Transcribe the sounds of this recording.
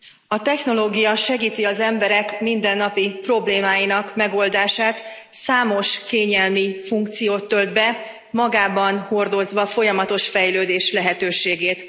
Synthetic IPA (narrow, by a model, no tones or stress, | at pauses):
ɒt̪ɛxno̞loːɡijɒʃɛɡiːt̪iɒzɛmbɛɾɛkmind̪ɛnːɒpipro̞bleːmaːjinɒkmɛɡo̞ld̪aːʃaːt̪saːmo̞ʃkeːɲɛlmifuŋk̚t̪sijoːt̪ːøld̪bɛ | mɒɡaːbɒnho̞rd̪o̞zʋɒfo̞jɒmɒt̪o̞ʃfɛjløːd̪eːʃlɛɦɛt̪øːʃeːɡeːt̪